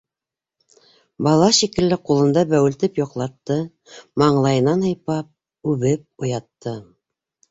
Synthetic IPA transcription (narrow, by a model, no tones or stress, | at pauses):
bɑlˠɑʃikɘ̆lːɘqulˠɤ̆nd̪ɑbæwɘ̆lt̪ɘpjŏqlˠɑt̪ːɤ | mɑɴlˠɑjɤ̆nɑnɑ̆jpɑp̚ | ʉβɘp̚ŏjɑt̪ːɤ